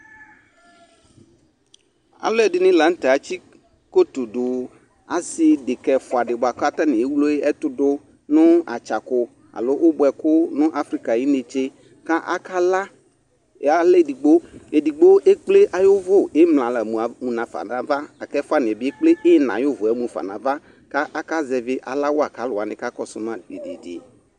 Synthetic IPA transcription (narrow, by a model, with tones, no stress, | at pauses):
a̰˨lʊ˦ɛ˦˨dɪ˦nĩ˦la˨ŋ̩˦t̪ɛ˨a˨t͡ɕi˦ | ko˦t̪o˨ɖʊ˨ | a˨sɪ˨dɪ˨kɛ˨fʊ˨a˨ɖɪ˨bo˨a˨ka˦t̪a˦nĩ˨e˦wu˦lo˦e˦ʔɛ˦t̪ʊ˨dʊ˦ | nʊ̃˦a̰˨t͡ʃa˨kʊ˦ | a̰˨lo˦ʔʊ˦bʊ˨ɛ˨kʊ˦nʊ̃˦ʔa˦fɾi˦ka˨ji˦ne˨t͡ʃe˦ | ka˦ʔa̰˦ka˦la˦˨˦ | a˦le˦˨di˨ɡ͡bo˦e˨di˨ɡ͡bo˦ʔe˦k͡ple˦ʔa˨jʊ˦vʊ˦˨e˦mlã˨la˨mũ˨a˨mũ˨nã˨fa̰˨nã˨va˦a˨kɛ˦fʊ˦a˨nɪ˨ɛ˨bɪ˦e˦k͡ple˦ʔɪ˦nã̰˨jʊ˦vʊ˨ɛ˦mũ˨fa̰˨nã˨va˦ | ka˦ʔa˦ka˦zɛ˨vɪ˦ʔa̰˨la˦wʊ˦a˨ka˨˦lʊ˨a˨nɪ̃˨ka˦kɔ˦sʊ˦n˦a˨e˨dḭ˨di˨